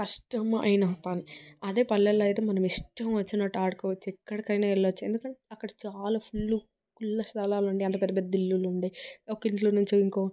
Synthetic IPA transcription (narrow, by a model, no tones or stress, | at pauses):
kɐʂʈɐmɐ̰jnɐpɐniɐd̪e̞ːpɐlːɐlɐjt̪eːmɐnɐmiʂʈɐmʋɐt͡ʃːinɐʈaːʈ̚koʋɐt͡ʃːuɛkːɐɽɐkɐjnaːɛlːɐɐt͡ʃːḛnd̪ukɐɳʈɐkːɐɽɐt͡ʃaːlaːpʰulːu | kulːɐst̪ɐlaːlɐɳɖiɐnt̪ɐpɛd̪ːɐpɛd̪ɐd̪ilːuluɳɖajokːɐiɳʈloːnuɲt͡ʃuiŋkoː